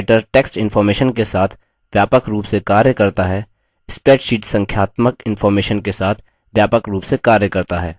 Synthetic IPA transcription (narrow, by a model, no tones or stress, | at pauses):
ʈəɾʈeːksʈɪnfɔːɾmeːʃənkesaːt̪ʰ | ʋjaːpəkɾuːpsekaːɾjəkɐɾt̪aɦɛː | ɪspeːʈʃiːʈsɐ̃ŋkʰjaːt̪məkɪnfɔːɾmeːʃənkesaːt̪ʰ | ʋjaːpəkɾuːpsekaːɾjəkɐɾt̪aɦɛː